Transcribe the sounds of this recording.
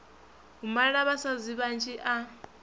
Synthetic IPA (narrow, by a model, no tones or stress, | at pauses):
ɦumaiɺaβasaziβant͡ʃʰʼiʔa